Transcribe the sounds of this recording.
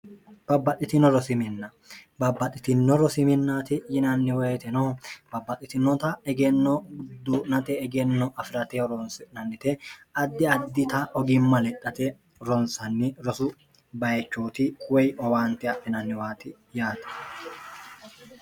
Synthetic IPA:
b̥ɐbːɐt̪ʼːɪt̪ɪnɔɾɔsɪmɪnːɐ | bɐbːɐt̪ʼːɪt̪ɪnːɔɾɔsɪmɪnːaːt̪ɪjɪnɐnːɪweːt̪ɛnoːb̥ɐbːɐt̪ʼɪt̪ɪnːɔt̪ɐɛɡɛnːɔd̪uːnɐt̪ɛɛɡɛnːɔʔɐfɪɾɐt̪eɾɔnsnɐnːɪt̪ɛɐd̪ːɪɐd̪ːɪt̪ɐʔɔɡɪmːɐlɛt̪ʼːɐt̪ɛ | ɾɔnsɐnːɪɾɔsʊ | bɐjɛt͡ʃːuːt̪ikʰʼʊwɛjʔɔwaːnt̪ɪɐfɪnɐnːɪwaːt̪ɪ | jaːt̪ɛ̥

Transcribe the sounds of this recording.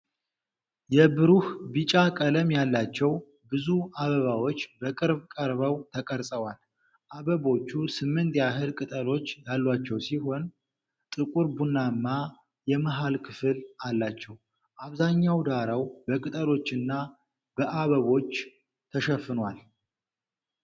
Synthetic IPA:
jɛbɨɾuhbɨt͡ʃʼakʼələmjalːat͡ʃːɛw | bɨzuaβəβawo̞t͡ʃːbəkʼɨɾbkʼəɾβəwt̪ʰəkʼəɾsʼəwal | ʔaβəβo̞t͡ʃːusɨmːɨnt̪jaɦɨlkʼɨt̪ʼəlo̞t͡ʃːjalːwat͡ʃːɛwsiɦo̞n | t̪ʼɨkʼuɾbunːamːa | jɛməɦalkʰɨfɨlalːat͡ʃːɛw | ʔaβzaɲːawd̪aɾawbəkʼɨt̪ʼəlo̞t͡ʃːɨnːa | bəʔaβəβo̞t͡ʃː | t̪ʰəʃɛfːɨnwal

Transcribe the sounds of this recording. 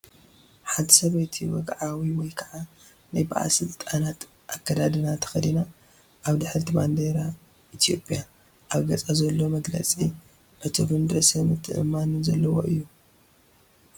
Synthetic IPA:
ħant̪ʰɨ̥sɐβɐjt̪ʰiwɔ̰ɡʕawiwɔjkʰaʕa | najba̰ʔa̰sɨlt̪ʼanat̪ | ʔakːɐd̪ad̪ɨnat̪ʰɐ̥xɐd̪ina | ʔaβd̪ɨħɨlt̪ʰiband̪eɾa | ʔit̪ʰjo̞pʼija | ʔaβɡɐt͡sʼazɐlːo̞mɐɡlɐ̰t͡sʼi | ʔɨt̪ʰobɨnd̪ɾɐsɐmɨt̪ʰːɨʔɨ̰mːanzɐlːɐwo̞̰ʔɨjːu

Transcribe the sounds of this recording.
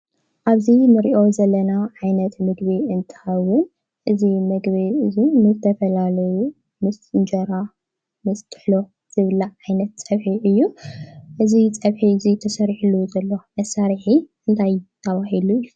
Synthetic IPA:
ʔaβzinɨɾiʔo̞zɐlːɐnaʕajnɐt̪mɨɡβiɨnt̪ʰɨ̥xɐwʊn | ʔɨzimɨɡβiɨzinɨzɨt̪ʰɐfɐlalɐju | mɨsʼɨnd͡ʒɐɾa | mɨst̪ʰʼɨ̥ħlo̞ | z̥ɨβɨlaʕajnɐt̪̚t͡sʼɐβħiʔɨjːuʔɨzit͡sʼɐβħizit̪ʰɐsɐɾħuluzɐlːo̞mɐsaɾiħiʔɨnt̪ʰajt̪ʰɐβahilujːu

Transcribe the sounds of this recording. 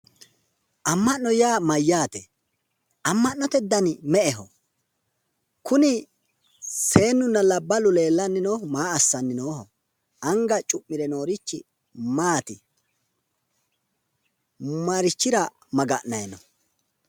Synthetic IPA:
ʔɐmːɐnːɔjaːmɐjːaːt̪ɛ | ʔɐmːɐnːɔt̪ɛd̪ːɐnmɛʔɛɦɔ̰ | kʊnɪ | se̞ːnːʊnːɐlɐbːɐlʊle̞ːlːɐnːɪnoːhmaːɐsːɐnːɪnoːhɔ̰ | ʔɐŋɡɐt͡ʃʼʊmːɪɾɛno̞ːɾɪt͡ʃːɪ | maːt̪ɪ | mɐɾɪt͡ʃːɪɾɐ | mɐɡɐʔnɐjɛnɔ

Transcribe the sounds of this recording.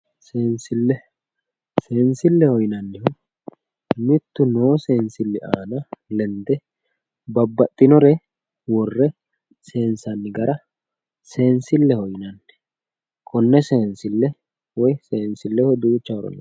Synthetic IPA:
seːnsɪlːɛ | seːnsɪlːɛhɔjnɐnːɪhɔ | mɪt̪ːʊno̞ːse̞ːnsɪlːɛʔaːnɐlɛnd̪ɛ | bɐbːɐt̪ʼːɪnɔɾɛ | wɔrːɛ | se̞ːnsɐnːɪɡɐɾɐ | se̞ːnsɪlːɛhɔjnɐnːɛ | kʼɔnːɛseːnsɪlːɛ | wɔjse̞ːnsɪlːɛhɔd̪uːt͡ʃːɐwɔɾɔ̰nɐ̰

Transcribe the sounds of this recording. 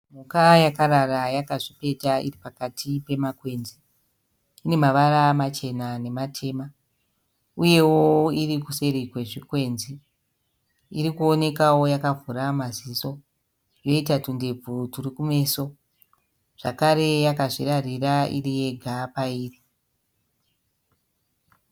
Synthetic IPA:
mukajakaɾarajakaʐipe̞taḭripakatʰipe̞makwe̞ːnziː | ne̞maʋaɾamat͡ʃe̞nane̞matʰe̞ːma | uje̞woiɾikuse̞ɾikwe̞ʐikwe̞nzi | iɾikuo̞ne̞kawo̞jakavuɾamaziso̞ | jo̞itatunde̞b͡vʱuturikume̞ːso̞ | ʐ̥a̰kaɾe̞jakaʐirariraʔḭrije̞ɡʱapaiːri

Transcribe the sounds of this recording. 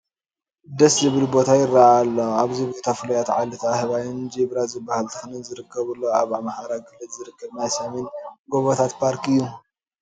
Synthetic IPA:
d̪ɐszɨβɨlbo̞t̪ʰajɪrːaʔalːoaβzɨβɨlɨt̪ʰafɨlɐjat̪ʕalɨt̪ʰahɨβajɪnd͡ʒiβɾazɨbːahɨlt̪ʰɨxɨnɨnzɨɾɨkʰːɐβɨlːoaβamahaɾaɡɨlɨzɨɾɨkːɐβnajsɐmenɡoβot̪ʰat̪pʰaɾkʰɨjːu

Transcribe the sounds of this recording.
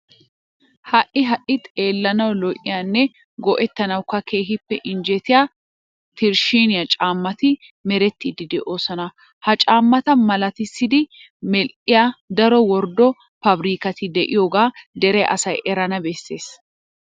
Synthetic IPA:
hɐʔʔɪɦɐʔɪt̪ʼeːlːɐnɐwlɔʔʼɪjanːɛ | ɡɔʔɛt̪ːɐnɐwkɐkʰe̞ːɦɪpːɛʔɪnd͡ʒɛt̪ɪjaː | t̪ɪɾʃiːnɪjɐt͡ʃʼaːmːɐt̪ɪ | mɛɾɛt̪ːɪd̪ɪd̪ɛʔo̞ːsɔnɐ | hɐt͡ʃʼaːmːɐt̪ɐmɐlɐt̪ɪsːɪd̪ɪ | mɛlʔɪjad̪ɐɾɔwɔɾd̪ɔ | pɐbɾiːkɐt̪ɪd̪ɛʔɪ̰joːɡaːd̪ɛɾɛʔɐ̰sɐjɛɾɐnɐbɛsːe̞ːs

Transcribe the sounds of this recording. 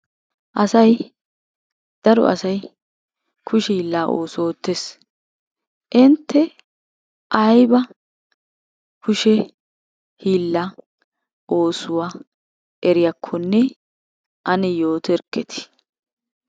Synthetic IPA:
ʔɐsɐj | d̪̥ɐɾɔ̰ʔɐ̰sɐj | kʰʊʃɛhiːlːaːʔo̰ːsoːt̪ːes | ʔɪnt̪ːɛ | ʔɐjbɐ | kʰʊʃɛ | hiːlːa | ʔoːsʊwaː | ɛɾɪjɐkʰːɔnːɛ | ʔɐnɛjo̞ːt̪ɛɾkːɛt̪ʰɪ̥

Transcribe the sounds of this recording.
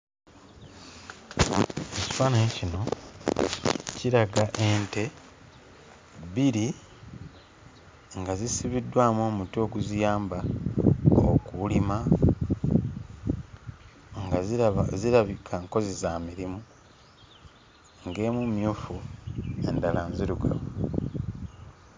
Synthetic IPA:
e̞ci̥faːnaecino̞ | ciɾaɡaʔe̞ːnte̞ | biɾi | ŋɡazisiβidːwaːmwoːmutio̞ːɡuzijaːmba | o̰kulima | ŋɡaziɾaβikʰaŋko̞zizamiɾimu | ŋɡe̞ːmumjuːfue̞̰ndalanziɾuɡa̰we

